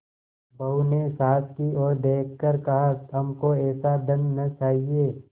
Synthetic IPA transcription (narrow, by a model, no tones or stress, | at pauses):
bɐɦunesaːt̪kiɔːɾd̪eːkʰkəɾkɐɦaɐmkoɛːsad̪ɐ̃nnɐt͡ʃaːɦieː